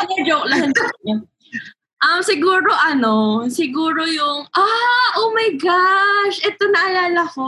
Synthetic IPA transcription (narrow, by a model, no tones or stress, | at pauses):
ɐnɐd͡ʒowk̚lɐɦɐnsɐkɲɐ | ʔɐmsɪɡuːɾo̞ʔɐno̞sɪɡuːɾo̞jʊŋʔaʔomɐjɡaʃʔɛt̪o̞nɐʔɐlaːlɐko